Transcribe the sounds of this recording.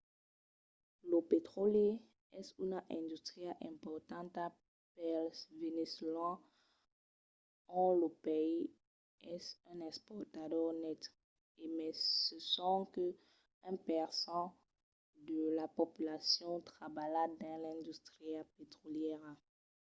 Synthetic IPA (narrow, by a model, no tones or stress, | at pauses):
ləpet̪χolje | ɛsynʔɛ̃d̪yst̪χiaʔɛ̃mpɔʁt̪ɑ̃t̪a | pɛlveneslɑ̃ | ɔ̃ləpei | ɛsɛ̃nɛ̃spɔʁt̪adœʁnɛt̪ | emɛsəsɔ̃kə | ɛ̃pɛʁsɑ̃ | d̪əlapopylasjɔ̃t̪χabalad̪ɛ̃lɛ̃d̪yst̪ʁiapet̪χoljɛʁ